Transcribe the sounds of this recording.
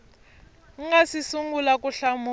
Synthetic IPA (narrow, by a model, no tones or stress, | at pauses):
ŋ̩ŋasisuŋɡulakʼuɬamu